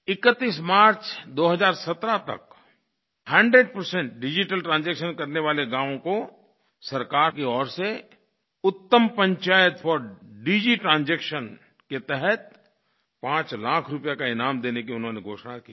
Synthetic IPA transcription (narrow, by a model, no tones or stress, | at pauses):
ɪkət̪ːiːsmaːɾt͡ʃd̪oːɦəzaːɾsɐt̪ɾat̪ɐ̰k | hɛ̃ːɳɖɾeɖ̚pəɾsɛ̃ɳʈ̚ɖɪd͡ʒiʈəlʈɾãːnzeːkʃənkɐɾneʋaːleɡãːʋõko | sɐɾkaːɾkeɔːɾse | ʊt̪ːəmpə̃ɲt͡ʃaːjət̪fɔːɾɖiːd͡ʒiʈɾãːnzeːkʃən | ket̪ɛɦɛt̪̚ | pãːt͡ʃlaːkʰɾʊpjakaɪnaːmd̪eːnekiʊnɦõːneɡʱoːʃnakiː